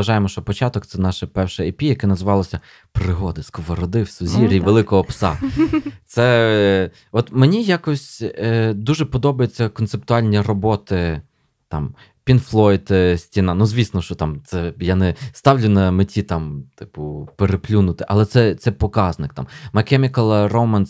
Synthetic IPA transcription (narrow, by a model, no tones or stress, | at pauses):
ɐʒɑjemɔʃt͡ʃɔpɔt͡ʃɑt̪ɔkt̪sɛnɑʃɛpɛwʃɛepʲijɐkɛnɐzʋɑlˠɔsʲɐ | pɾɪɦɔd̪ɪskɔʋɐɾɔd̪ɪwsʊzʲiɾʲiʋelˠɪkɔɦɔpsɑ̰t̪sɛ | ɔt̪menʲijakɔsʲ | d̪uʒɛpɔd̪ɔbɐjet͡sʲːɐkɔnt̪sep̚t̪ʊɑlʲnʲirɔbɔt̪ɪ | t̪ɑm | pʲinflˠɔjt̪sʲtʲinɑnuzʲʋʲisnɔʃt͡ʃɔt̪ɑmt̪sɛjanɛst̪ɑwlʲʊnɐmetʲit̪ɑmt̪ɪ̥pʊpeɾeplʲunʊt̪ɪʔɐlˠɛt̪sɛt̪sɛpɔkɑznɪk̚t̪ɑ̰mmɐkɛmʲikɐlˠɐrɔmɐns